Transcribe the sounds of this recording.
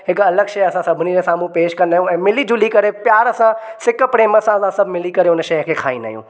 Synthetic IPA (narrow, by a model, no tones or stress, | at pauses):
ɦɪkɐləɡʃɐjɐsãsɐbʱɪnid͡ʑesaːmũpeːʃkɐ̃nd̪aːjũɛ̃ːmɪlid͡ʑũlikɐɾepjaːɾsãsɪkpɽeːməsãɐsãsɐbʱmɪlikɐɾeʊnəʃɐjəkʰeːkʰa̰ːĩnaːɦjṵ̃ː